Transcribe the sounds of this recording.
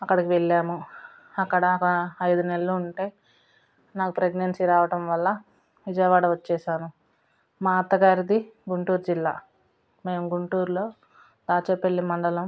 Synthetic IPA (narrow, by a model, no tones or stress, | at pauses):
ɐkːɐɽɐkiʋeɭːaːmu | ɐkːɐɽɐkɐɐjd̪unelːuːɳʈe̞ː | naːkupɾeɡnɐnsiɾaːʋɐʈɐmʋɐlːɐ | ʋid͡ʒɐjʋaːɽɐʋɐt͡ʃːɛːʃaːnu | maːɐt̪ɐɡaːɾid̪iɡuɳʈuːɾd͡ʒilːa̰ː | me̞ːmuɡuɳʈuːɾlo̞ː | d̪aːt͡ʃepːeɭːimɐɳɖɐlɐm